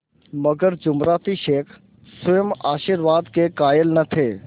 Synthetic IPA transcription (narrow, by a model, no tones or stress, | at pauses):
mɐɡəɾd͡ʒʊmɾaːt̪iʃeːkʰ | sʊjəmaːʃiɾʋaːd̪kekaːjəlnɐt̪ʰeː